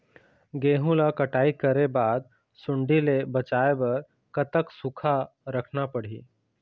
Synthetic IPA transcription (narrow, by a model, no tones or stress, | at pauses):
ɡeːɦũlakəʈaːikəɾebaːd̪̚ | sʊɳɖilebət͡ʃaebəɾ | kət̪əksukʰa | ɾəkʰnapəɽ̤ḭː